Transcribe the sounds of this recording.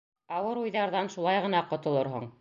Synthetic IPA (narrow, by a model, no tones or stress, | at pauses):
ɑwɤɾujðɑɾðɑnʃulˠɑjʁɤ̆nɑqŏt̪ŏlˠoɾɦo̰ɴ